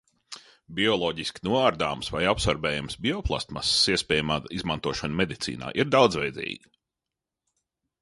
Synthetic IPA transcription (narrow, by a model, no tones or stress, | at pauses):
bʲiɔlˠɔɟisʲkʲnuɔaɾd̪aːmsʋajapsaɾbɛːjamsbʲiɔplˠa̰st̪ma̰ssiɛspʲɛːjamaːizmant̪uɔʃanmed̪it̪sḭːna̰ːʔiɾd̪awd̪zvɛjd̪zḭːɡi